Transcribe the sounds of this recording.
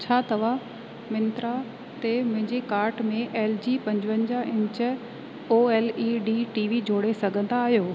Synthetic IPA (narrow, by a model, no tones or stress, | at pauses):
t͡ɕʰaːt̪ɐʋa | mɪ̃nt̪ɾa | t̪emʊ̃ɦɪ̃ɲd͡ʑekaːɾʈmẽʔeːld͡ʑiːpɐ̃ɲd͡ʑʋə̃nd͡ʑaʔɪ̃ɲt͡ɕə̆ | oːeːliːɖiʈiːʋid͡ʑʱoːɽesɐɡʱə̃nd̪aːɦijoː